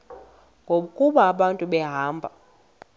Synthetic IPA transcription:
ŋɡʱoɓukʼuɓaːɓantʼuɓɛɦaːmbʱa̰

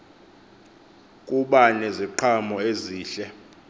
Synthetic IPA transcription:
kʼuɓanɛziǃʰamɔeziːɬɛ

